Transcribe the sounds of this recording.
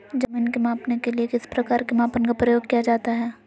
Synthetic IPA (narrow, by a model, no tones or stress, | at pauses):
d͡ʒɐmiːnkemãːpnekeliekɪspɾɐkaːɾkemãːpənkapɾɐjoːɡ̚kijad͡ʒaːt̪aɦɛː